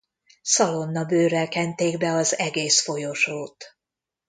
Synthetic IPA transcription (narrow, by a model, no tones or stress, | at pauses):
sɒlo̞nːɒbøːɾɛlkɛnt̪eːɡbɛɒzɛɡeːsfo̞joʃoːt̪